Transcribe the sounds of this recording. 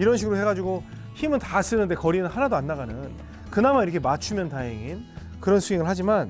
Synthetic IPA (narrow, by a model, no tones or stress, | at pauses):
iɾʌnɕʰiɡɯɾoɦeɡad͡ʑiɡo | çimɯntas͈ɯnɯnde̞kʌɾinɯnhanadoanːaɣanɯn | kɯnamaiɾʌkʰe̞mat͡ɕʰumjʌntaɦeŋin | kɯɾʌnsʰueŋɯɭhad͡ʑiman